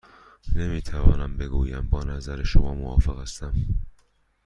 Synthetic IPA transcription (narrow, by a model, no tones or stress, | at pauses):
ne̞miːt̪ʰævɒ̰ːnæmbe̞ɡuːjæmbɒːnæzæɾeʃomɒːmoɒ̰ːfeɣæst̪æm